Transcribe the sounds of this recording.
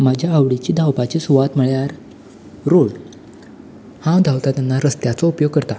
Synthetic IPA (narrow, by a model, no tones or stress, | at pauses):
mad͡ʑʱjaːʋɽit͡ɕiːd̪ʱawpat͡ɕesuʋat̪məɭjaɾ | ɾoɭ | hãwd̪ʱawt̪at̪janːaɾəst̪jat͡sɔupjoɡ̚kəɾt̪a